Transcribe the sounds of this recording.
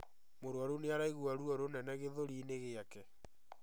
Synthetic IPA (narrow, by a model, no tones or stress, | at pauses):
moɾwaɾoneaɾaiɣwaɾuɔɾonɛnɛɣeðoɾineɣeakɛ